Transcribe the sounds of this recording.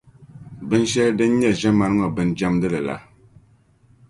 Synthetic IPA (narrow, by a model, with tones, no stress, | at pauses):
bɨ˦n˦ʃɛ˦ldɨ˦n˦ɲɛ˦˨ʒɛ˦ma˨n˦ŋɔ˨bɨ˦nd͡ʒa˦mdɨ˦lɨ˨la̰˨˦